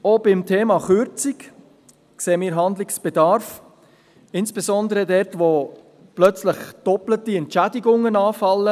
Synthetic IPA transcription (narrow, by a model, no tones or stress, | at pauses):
obɪmtʰeːmɑχʏɾt͡sik | kseːəmɪːɾɦɑndlɪksb̥ɛd̪ɑɾf | ɪnsb̥ɛzɔnd̪əɾədɛɾtʋo | plœt͡sləχd̥ɔplətiɛntt͡ʃædiɡʊŋːənɑːfɑlːə